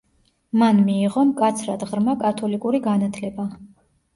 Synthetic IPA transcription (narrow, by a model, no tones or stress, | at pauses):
manmiːʁɔmkʼat̪sʰɾad̪ʁɾmakʼat̪ʰɔlikʼuɾiɡanat̪ʰlɛba